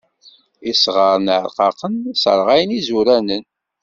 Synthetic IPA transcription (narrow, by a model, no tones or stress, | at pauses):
isʁəɾˤnʕɾqɑqənsəɾˤʁæjnizuɾænən